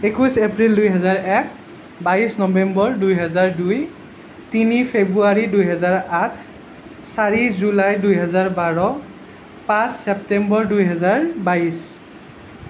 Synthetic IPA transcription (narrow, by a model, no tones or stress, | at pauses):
ekusepɹildujɦɛzaɹɛk̚ | baisnɔbɛmbɔɹdujɦɛzaɹduj | tinipʰebɹuaɹidujɦɛzaɹatʰ | saɹizulajdujɦɛzaɹbaɹɔ | pãsːɛp̚tɛmbɔɹdujɦɛzaɹbais